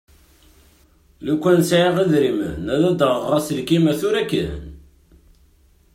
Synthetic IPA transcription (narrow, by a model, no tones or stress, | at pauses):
lukʷːænsʕiʁiðɾimənnæðæd̪əʁɾˤɑslkiməθuɾækːən